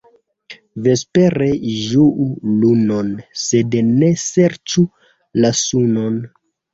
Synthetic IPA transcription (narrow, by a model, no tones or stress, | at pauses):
ve̞spe̞ɾeʒuʔuluno̞nse̞dne̞se̞ɾt͡ʃu | lasuno̞n